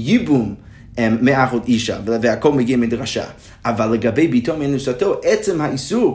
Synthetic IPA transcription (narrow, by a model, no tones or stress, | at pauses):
jibum | ɛːeaχodiʃa̰vəhakʰɔlˠməɡiəmedʁaʃa̰ | avalˠːəɡabejbitʰomɛnusatʰoʔɛt͡sɪmhaisuʁ